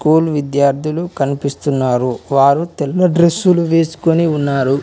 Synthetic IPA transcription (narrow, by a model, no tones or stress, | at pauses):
kuːlʋid̪jaːɾt̪ʰilukɐnipist̪unːaːɾuʋaːɾut̪ɛlːɐɖɾesːuluʋe̞ːsu̥koniunːaːɾu